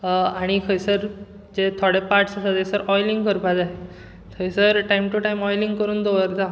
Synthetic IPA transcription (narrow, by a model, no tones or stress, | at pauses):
aɽ̃ikʰəjsəɾ | d͡ʑet̪ʰoɽepaɾʈsasad͡zesəɾɔjliŋɡkəɾpad͡zaɦe | kʰəjsəɾʈajmʈuʈajmɔjliŋɡkəɾuːnd̪oʋəɾd͡z̪a